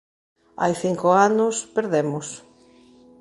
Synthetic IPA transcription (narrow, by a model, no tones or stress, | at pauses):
a̰jθiŋkʊanʊspeɾðemʊs